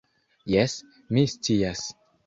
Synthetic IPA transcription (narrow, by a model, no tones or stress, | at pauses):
jes | mist͡sias